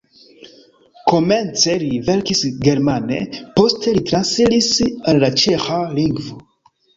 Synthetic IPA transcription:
ko̞me̞nt͡se̞live̞ɾkisɡe̞ɾmane̞̰po̞ste̞litɾansilisalːat͡ʃexaliŋɡvo

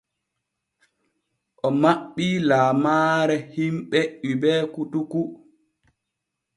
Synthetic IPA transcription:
ʔɔmaɓːilaːmaːɾɛhimɓɛʔibɛːkutuku

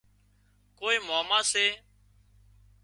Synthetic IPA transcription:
koːiːmaːmãːseː

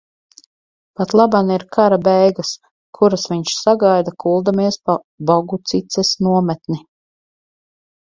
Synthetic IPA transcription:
pat̪lˠabaniɾkʰaɾabɛjɡas | kʰuɾasviɲʃsaɡajd̪akʰulˠd̪amiɛspa | bɔɡut̪sit̪sɛsnuɔmɛt̪ni

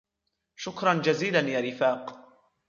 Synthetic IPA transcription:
ʃʊkɾˤɑnd͡ʒaziːlanjaːɾɪfaːq

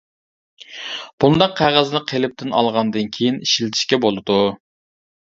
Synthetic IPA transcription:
b̥und̪ɑqʰːæʁæznɨqʰelɪp̚t̪ʰɪnɑ̰lˠʁɑnd̪ɨnkʲʰejiniʃilt̪ʰɪ̥ʃkʲɛbolˠɨd̪u

